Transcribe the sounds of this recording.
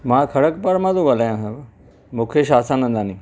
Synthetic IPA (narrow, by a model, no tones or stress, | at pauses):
mãːkʰɐɽəkpaɾmãzoɡaːlaːjãːsãb | mũːkʰeʃaːsãnə̃nd̪ãːnĩː